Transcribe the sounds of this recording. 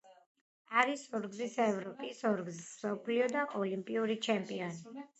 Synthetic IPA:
aɾisɔɾɡzisɛvɾɔpʼisɔɾɡzisɔpʰliɔd̪aʔɔlimpʼiuɾit͡ʃʰɛmpʼiɔni

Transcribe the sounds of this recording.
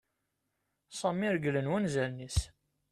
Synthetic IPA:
sˤɑmːiɾəɡlənwænzælnis

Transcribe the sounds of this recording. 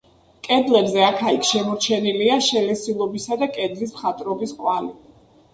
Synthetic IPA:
kʼɛd̪lɛbzɛakʰaikʰʃɛmɔɾt͡ʃʰɛniliaʃɛlɛsilˠɔbisad̪akʼɛd̪lismχat̪ʼɾɔbiskʼwani

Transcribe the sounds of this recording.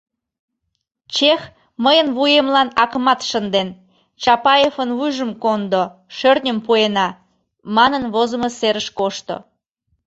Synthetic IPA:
t͡ɕex | məjənβujemlɑnɑkəmɑt̪ʃənd̪en | t͡ɕɑpɑjefənvujʒəmkond̪o | ʃørnʲəmpuenɑ | mɑnənβozəməseɾəʃkoʃt̪o̰

